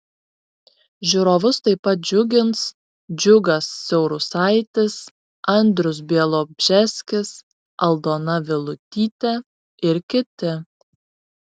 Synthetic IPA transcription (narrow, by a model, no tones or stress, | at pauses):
ʒʲʊɾoːʋʊst̪ɐɪpːɐt̪̚d͡ʒʲʊɡʲɪns | d͡ʒʲʊɡɐsːʲɛʊɾʊsɑɪt̪ʲɪs | ɐnʲd̪ʲɾʊs̬bʲeɛlˠoːbʲʒʲɛsʲkʲɪs | ʔɐlˠd̪oːnɐʋʲɪlˠʊt̪ʲiːt̪ʲɛ | ɪɾkʲɪt̪ʲɪ